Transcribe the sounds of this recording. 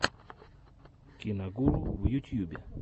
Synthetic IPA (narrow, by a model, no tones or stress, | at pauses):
kinaɡuluwujutjubia̰